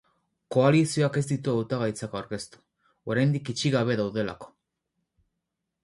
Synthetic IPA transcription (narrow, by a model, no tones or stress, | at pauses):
ko̞alisio̞ake̞zd̪it̪̬uawt̪aɣ̞ajt͡sakawɾke̞st̪u̥ | o̞ɾajnd̪ikit͡ʃiɣaβ̞e̞ðawð̞e̞la̰ko̥